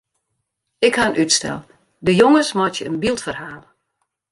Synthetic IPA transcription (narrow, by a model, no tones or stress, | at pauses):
ɪkhaənʔytstɛ̰lˠ | dəjoŋəsmɔtjəənbilˠtfərhaːlə